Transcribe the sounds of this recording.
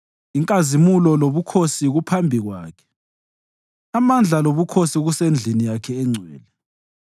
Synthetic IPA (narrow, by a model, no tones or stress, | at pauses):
iŋkʼazimulɔloβukʰosiɣupʰambʱiɣwaːkʰɛ̥ | amand͡ɮʱaloβukʰosiɣusend͡ɮʱinijakʰɛɛŋ͡ǀʱwɛ̰ːlɛ